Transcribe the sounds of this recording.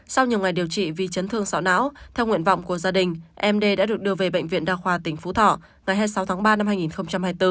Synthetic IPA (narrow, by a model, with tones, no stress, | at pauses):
sa˧wɲi˨˩əwŋa˨˩jɗi˨˩əwt͡ɕḭ˧˨vi˨˩t͡ɕə˨˦nt̪ʰɨ˧əŋsa̰˧˥wna̰ː˧˥wt̪ʰɛ˧wŋwḭ˧ənva̰˧˨wŋ͡mku˧˩əzaː˧ɗï˨˩ŋ̟ʔɛ˧mɗe˧ɗa̰ː˧˥ɗɨ˨˩ək̚ɗɨ˧əve˨˩ɓə̰˧˨jŋ̟vḭ˧˨ənɗaː˧xwaː˨˧˩t̪ï˨˩ŋ̟fu˨˦t̪ʰɔ̰˧˨ | ŋa˨˩jɦaː˧jsa˨˦wt̪ʰaː˨˦ŋɓaː˧na˧mhaː˧jŋi˨˩nxə˧wŋ͡mt͡ɕa˧mhaː˧jt̪ɨ˧